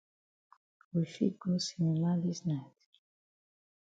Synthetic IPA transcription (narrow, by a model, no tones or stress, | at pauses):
wifḭd̚ɡosinimaðisnaɪt